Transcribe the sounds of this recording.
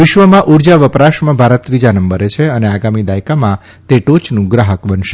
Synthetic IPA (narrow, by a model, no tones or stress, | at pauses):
ʋɪʃʋəmãʔuɾd͡ʒaʋəpɾaʃmãbʱaɾət̪ːɾid͡ʒanəmbəɾet͡ʃʰeəneaɡamid̪ajkamã | t̪eʈot͡ʃnũɡɾaɦəkbənʃe